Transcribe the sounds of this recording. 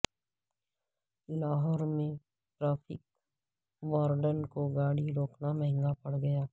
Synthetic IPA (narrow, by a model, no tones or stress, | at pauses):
ɪlaːɦəɾmẽ | ʈɾaːpʰɪ̰k̚ | ʋaːɾɖənkoɡaːɽiɾoːknamɛ̃ɦɛ̃ŋɡapɐɽɡɐjaː